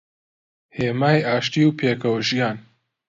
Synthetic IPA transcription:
heːmaːjaːʃt̪iːwpʰeːkɐwʒijaːn

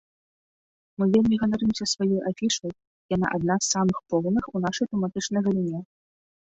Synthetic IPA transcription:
mɨvʲelʲmʲiɣɐnaɾɨmsʲɐsvajɔjʔafʲiʂɐj | jana̰ʔad̪̚nasːamɨxpɔwnɨxunaʂɐjt̪ɛmat̪ɨt͡ʂnɐjɣɐlʲinʲɛ

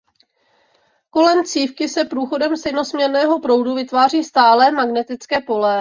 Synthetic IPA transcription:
ko̞lɛmt͡siːfkɪsɛpɾuːxo̞dɛmst̪ɛjno̞smɲɛɾnɛːɦo̞pɾo̞wduvɪt̪vaːr̝iːst̪aːlɛːmaɡnɛt̪ɪt͡skɛːpo̞lɛ

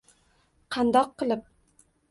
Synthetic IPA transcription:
qʰɑnd̪ɒqʰːɨlˠɪp̚

